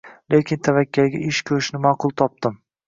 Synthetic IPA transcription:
lekʲɪnt̪ʰavakʲːalɡʲaʔɪʃkʰʲɵɾʃnɪmaːqʊlˠt̪ʰɒp̚d̪ɪm

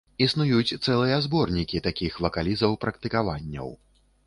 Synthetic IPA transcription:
isnujut͡sʲt̪sɛlˠɨjɐzbɔrnʲikʲit̪akʲixvɐkalʲizɐwpɾɐkt̪ɨkavanʲːɐ̰w

